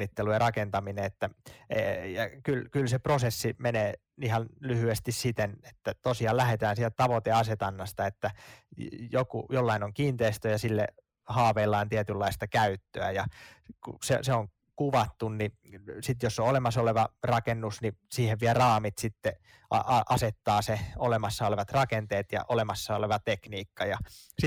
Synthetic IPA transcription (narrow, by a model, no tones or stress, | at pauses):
it̪ːelujɑrɑkent̪ɑmineet̪ːæejɑkylkylseprosesːimeneː | ihɑnlyhyest̪issit̪ene̥t̪ːæt̪osiɑːllæhet̪æːnsiælt̪æt̪ɑʋot̪eɑset̪ɑnːɑst̪ɑet̪ːæ | jokṵjolːɑinoŋkiːnt̪eist̪øjɑsilːḛ | hɑːʋeːlːɑːnt̪iæt̪ylːɑist̪ɑkæyt̪ːøæjɑkṵseseoŋ | kuʋɑt̪ːunni | sit̪josːoolemɑsoleʋɑrɑkenːusnisiːheʋʋiærɑːmit̪sit̪ːe | ɑ̰ʔɑʔɑset̪ːɑːseolemɑsːɑoleʋɑt̪rɑkent̪eːt̪jɑ̰ʔolemɑsːɑoleʋɑt̪ekniːkːɑjɑsi